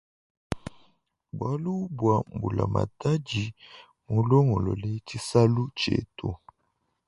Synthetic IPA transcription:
bwa˦lu˦bwa˨m˨bu˨la̰˨ma̰˨ta˦d͡ʒi˨ | mu˨lɔ˦ŋɔ˨lɔ˨le˦t͡ʃi˦sa˦lu˦t͡ʃḛ˨to˨

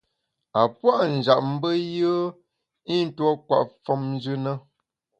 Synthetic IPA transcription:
a˨pwa˦ʔn̩˨d͡ʒa˨ʔm̩˦bə˦jə˦ | i˦n̩˦twɔ˦kwa̰˨ʔfɔ˦mn˦d͡ʒʉ˦nə˦

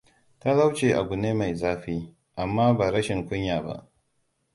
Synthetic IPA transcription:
ta˦la˦wt͡ʃeː˨ʔa˨ɡu˨neː˦ma˨jzaː˦ɸiː˦ | ʔa˨mːaː˦baː˨ɾɐ˦ʃɪ˨ŋkʷʊ˦ɲjaː˨ba̰˦ʔ

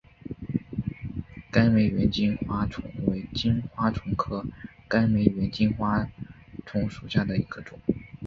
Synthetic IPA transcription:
ka˥nme˧˥ɪɥɛ˧˥nt͡ɕi˥nxwa˥ʈ͡ʂʰʊ˧˥ŋwe˧˥ɪt͡ɕi˥nxwa˥ʈ͡ʂʰʊ˧˥ŋkʰɤ˥ka˥nme˧˥ɪɥɛ˧˥nt͡ɕi˥nxwa˥ʈ͡ʂʰʊ˧˥ŋʂu˨˩ɕja˥˩d̪ə˩i˧˥ɡ̥ə˧ʈ͡ʂʊ˨˩˦

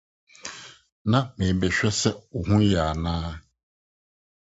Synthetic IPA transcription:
nã˨mɪ̃˨bɛ˨ɕᶣɛ˦sɛ˦o˨ɦũ˦jɛ˨a˨nãː˦

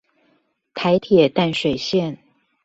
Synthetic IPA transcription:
t̪ʰa˧˥ɪt̪ʰjɛ˨˩t̪a˥˩nʂwe˨˩ɪɕjɛ˥˨n

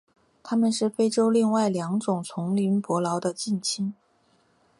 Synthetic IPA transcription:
t̪ʰa˥mə˨nʂɻ̩˥˩fe˥ɪʈ͡ʂo˥ʊli˥˧ŋwa˥˩ɪljɑ˧˥ŋʈ͡ʂʊ˨˩ŋt͡sʰʊ˧˥ŋli˧˥npwɔ˧˥lɑ˧˥ʊd̪ə˧t͡ɕi˥˩nt͡ɕʰi˥n

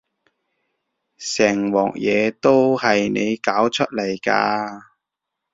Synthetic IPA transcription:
sɛː˨˩ŋwɔː˨˩k̚jɛː˨˧t̪o˥whɐ˨jne˨˧jkaː˨˥wt͡ʃʰɵ˥t̚lɐ˨˩jka̰ː˧

